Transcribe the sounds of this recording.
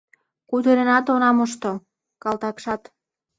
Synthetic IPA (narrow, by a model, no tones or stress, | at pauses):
kut̪eɾenɑt̪onɑmoʃt̪o | kɑlt̪ɑkʃɑt̪